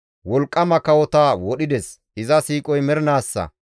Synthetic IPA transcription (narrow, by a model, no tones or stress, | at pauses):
wɔlkʼːɐmɐkɐwɔt̪aːwɔɗɪd̪ɛs | ʔɪzɐsiːkʼɔjmɛɾnaːsːɐ̰